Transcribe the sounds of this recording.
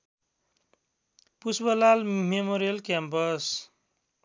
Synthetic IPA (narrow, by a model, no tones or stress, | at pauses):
pusbʌlalmemoɾijʌlkjampʌs